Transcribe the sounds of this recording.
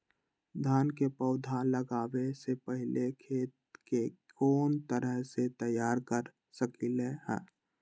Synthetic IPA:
d̪ʱaːnkepəʊd̪ʱaləɡaːwesepəɦɪlekʰeːt̪kekoːnt̪əɾəɦset̪əjaːɾkəɾ | səkilehɛ̰̃ː

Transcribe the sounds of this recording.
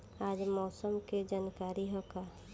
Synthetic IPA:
ad͡ʒmɔːsəmked͡ʒaːnkaːɾiɦɔka

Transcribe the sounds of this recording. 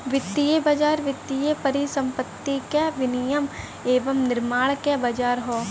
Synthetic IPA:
ʋɪt̪ːijebɐd͡ʒaːɾʋɪt̪ːijepɐɾisɐ̃mpət̪ːikeʋɪnijəm | eːʋəmnɪɾmaːɽkebɐd͡ʒaːɾɦoː

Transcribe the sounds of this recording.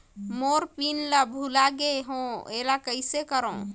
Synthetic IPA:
moɾpinlabʱulaɡeɦõelakəɪsekəɾə̃

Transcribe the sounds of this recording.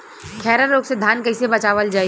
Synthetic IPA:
kʰɛːɾəɾoːɡsed̪ʱaːnkɐɪsebɐt͡ʃaːʋəld͡ʒaː

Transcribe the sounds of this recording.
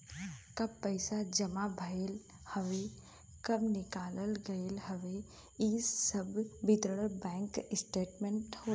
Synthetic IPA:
kɐbpəɪsad͡ʒɐmabʱəel | hɐʋe | kɐbnɪkaːləlɡɐeːlɦɐʋe | issəbbɪt̪əɽəlbɛ̃ːŋkɪsʈeːʈmẽɳʈhoː

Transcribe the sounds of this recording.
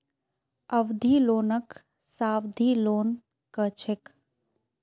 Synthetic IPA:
əʋd̪ʱiːloːnək | saːʋd̪ʱiloːn | kət͡ʃʰek

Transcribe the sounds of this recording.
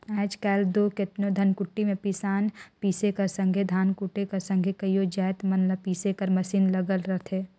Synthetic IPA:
aːd͡ʒkɛːld̪okɪt̪nod̪ʱɐnkʊʈːimẽpisaːnpiːsekɐɾsə̃ŋɡʱed̪ʱaːnkʊʈekɐɾsə̃ŋɡʱekɐiod͡ʒaːt̪mɐnləpiːsekɐɾmɐsiːnlɐɡəlɾəɦt̪ʰeː

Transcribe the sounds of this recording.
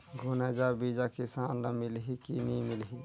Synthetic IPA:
ɡʱʊnɛːd͡ʒabiːd͡ʒakɪsaːnlamɪlɦikinimɪlɦi

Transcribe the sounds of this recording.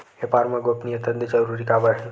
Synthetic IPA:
epaɾmãɡopniət̪əd̪əd͡ʒəɾuɾikabəɦ

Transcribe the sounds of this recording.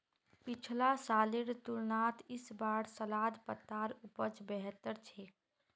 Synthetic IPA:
pɪt͡ʃʰlasaːlɪɾt̪ʊlnaːt̪ɪsbaːɽsəlaːd̪pət̪ːaːɾʊpət͡ʃbɛɦət̪ːəɾt͡ʃʰeː

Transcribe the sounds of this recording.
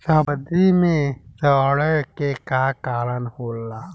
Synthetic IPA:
saːbəd̪imẽsəɽəjkekaːkaːɾənhoːlːaː

